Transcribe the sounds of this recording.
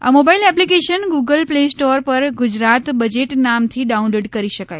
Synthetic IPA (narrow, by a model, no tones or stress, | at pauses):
a̰mobailɛplikeʃənɡuɡəlplesʈoɾpəɾɡʊd͡ʒɾat̪bəd͡ʒeʈnamt̪ʰiɖaunloɖkəɾiʃəkaj